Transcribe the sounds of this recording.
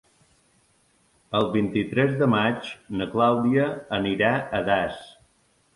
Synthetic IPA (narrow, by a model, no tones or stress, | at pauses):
əlˠβint̪it̪ɾɛzðəmad͡ʒnəklawd̪iəːniɾaəðas